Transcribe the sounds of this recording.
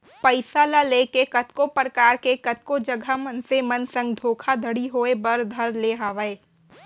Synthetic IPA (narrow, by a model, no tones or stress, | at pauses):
pɐɪsalaleːkekɐt̪kopɾəkaːɾkekɐt̪̚kod͡ʒɐɡʱamɐnsemɐnsɐ̃ŋɡd̪ʱoːkʰad̪ʱɐɽiɦoːebɐɾd̪ʱɐɾleɦaːʋəeː